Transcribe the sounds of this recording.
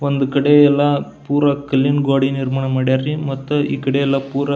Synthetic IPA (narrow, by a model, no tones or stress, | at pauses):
ʋɐnd̪ɯkɪɽɐɛlːãːpuːɾɐkɐlːinɡoːɽinɪɾmɐɳɐmɐɽjarimɐt̪ːɐʔɪ̰kːɪɽɐjɛlːaːpuːɾɐ